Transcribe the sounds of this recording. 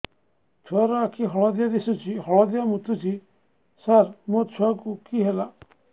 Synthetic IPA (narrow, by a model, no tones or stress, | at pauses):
t̪ʰuaɾakʰiɦɔɭɔd̪ijad̪isut͡ʃʰiɦɔɭɔd̪ijamut̪ʰut͡ʃʰi | saɾmot̪ʰuakukiɦela